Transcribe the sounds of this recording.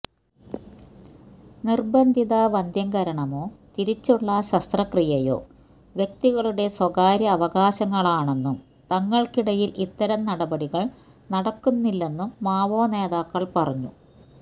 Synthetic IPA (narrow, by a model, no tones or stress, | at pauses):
nirbɐnd̪ʱiðaʋɐnd̪ʱjɐŋɡɐɾɐɳɐmo̞ːt̪iɾit͡ɕːuɭːɐɕɐst̪rɐkrijɐjo̞̰ː | ʋjek̚t̪iɣɐɭuɽe̞swɐɣaːɾjɐːʋɐɣaːɕɐŋːɐɭaːɳe̞nːum | t̪ɐŋːɐɭkiɽɐjilʔit̪ːɐɾɐmnɐɽɐbɐɽiɣɐɭ | nɐɽɐkːunːilːe̞nːumːaːʋoːne̞ːðaːkːɐɭpɐrɐɲːṵ